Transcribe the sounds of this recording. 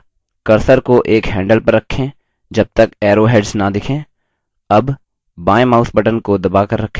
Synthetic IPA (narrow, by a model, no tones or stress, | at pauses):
kɐɾsəɾkoʔeːkɦɛ̃ːɳɖəlpɐɾːɐkʰːẽ | d͡ʒɐb̚t̪ɐkɛːɾoɦeːɖsnɐd̪ɪkʰẽː | ɐb | baːẽmaːʊsbɐʈənkod̪ɐbaːkɐɾːɐkʰːe